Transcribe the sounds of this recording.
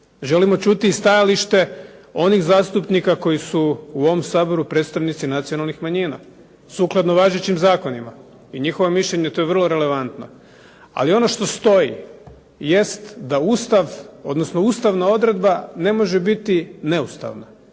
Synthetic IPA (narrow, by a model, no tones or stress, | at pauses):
ʒe̞limo̞t͡ʃut̪iːst̪ajaliʃt̪e̞o̞nixzaːst̪upnikako̞jisuuo̞ʋomsaːbo̞ɾupɾe̞ːt̪st̪aʋnit̪sinat̪sijo̞nalˠnixmaɲiːna̰ | suklˠad̪no̞ʋaːʒet͡ɕimzaːko̞nima | iɲixoʋomiʃʎeɲe̞t̪o̞jeʋrlˠo̞ɾe̞le̞ʋant̪no | a̰lio̞no̞ʃt̪o̞st̪o̞jḭ | je̞st̪d̪auːst̪aʋo̞d̪nosno̞uːst̪aʋnao̞d̪ɾe̞d̪bane̞mo̞ʒebit̪ine̞ust̪a̰ʋna